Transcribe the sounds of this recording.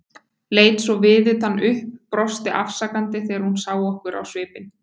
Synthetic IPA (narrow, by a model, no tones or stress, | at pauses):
leːjt̪svɔvɪːðɪt̪hanːʏhpːɾɔst̪ɪʔafsakant̪ɪθejaɾhunsaːwɔhkʏɾʔa̰wsvɪːpɪn